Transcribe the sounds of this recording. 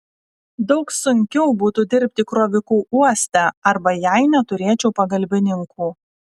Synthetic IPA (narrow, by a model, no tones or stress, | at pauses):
d̪ɒʊksʊŋʲkʲɛʊbuːt̪ud̪ʲɪɾʲpʲt̪ʲɪkɾoːʋʲɪkuːʔuɔsʲt̪ʲæɐɾbɐjæɪnʲɛt̪ʊɾʲeːt͡ʃʲɛʊpɐɡɐlʲbʲɪnʲɪŋkʰuː